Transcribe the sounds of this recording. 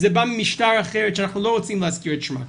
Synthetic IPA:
zɛbammɪʃtaɾaχeɾɛtʃɛanaχnulˠoʊʁɔt͡siːmlˠaskiɹətʃma̰

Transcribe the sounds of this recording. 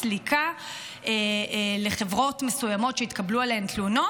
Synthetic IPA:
likʰa | ele̞χe̞vʁo̞tme̞sujamo̞tʃeit̪kablualehemt̪luno̞

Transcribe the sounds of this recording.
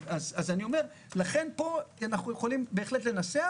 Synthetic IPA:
azazanio̞me̞ʁ | laχe̞npo̞anaχnujeχolimbe̞ːχle̞tle̞nasea

